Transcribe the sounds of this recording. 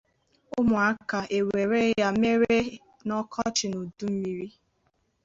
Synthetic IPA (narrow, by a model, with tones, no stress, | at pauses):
ʊ˦mʊ˨a˦ka˨ʔe˨we˨ɾe˦ja˦me˦ɾe˦ | nɔ˦kʰɔ˦t͡ʃɪ˨no˨du˦m̩˦mi˦ɾi˦